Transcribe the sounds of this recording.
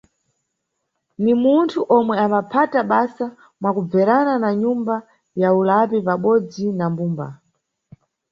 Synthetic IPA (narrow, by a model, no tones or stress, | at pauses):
nimuntʰuʔɔmwɛambapʰataɓasa | mwakub͡vɛɾananaɲumba | jaulapipaɓɔd͡zinambuːmba̰